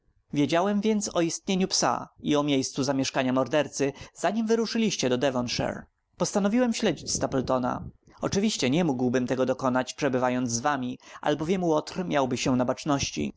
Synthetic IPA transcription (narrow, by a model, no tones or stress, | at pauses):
vʲjed͡ʑawɛmvʲjɛnt̪sɔist̪ɲeɲupsa̰iɔmʲjejst̪suzamʲjɛʂkaɲamɔɾd̪ɛɾt̪sɘz̥aɲimvɘɾuʂɘlʲiɕt͡ɕɛd̪ɔd̪ɛvɔnʂɛ̰ɾ | pɔst̪anɔvʲiwɛmɕlɛd͡ʑit͡ɕst̪apɛlt̪ɔna̰ | ɔt͡ʂɘvʲiɕt͡ɕɛɲɛmuɡwbɘmt̪ɛɡɔd̪ɔkɔnat͡ɕpʂɛbɘvajɔnd̪zzvamʲiʔa̰lbɔvʲjɛmwɔt̪rmʲjawbɘɕɛnabat͡ʂnɔɕt͡ɕḭ